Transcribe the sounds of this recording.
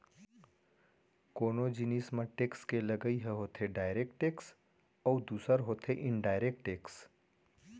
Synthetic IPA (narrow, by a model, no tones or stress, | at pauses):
koːnod͡ʒiniːsmẽʈeːkskeləɡəiɦɛɦoːt̪ʰeɖaːɪɾeːk̚ʈʈeːks | ɔːd̪uːsəɾɦoːt̪ʰeʔɪ̃ɳɖaːɪɾeːk̚ʈʈeːks